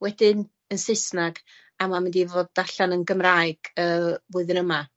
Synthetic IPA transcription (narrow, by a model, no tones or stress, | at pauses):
wɛdɪn | ənsɪsnaɡ | amamɪndivoːd̚daɬanənɡəmraɨɡ̥əːvʊɨðɪnəma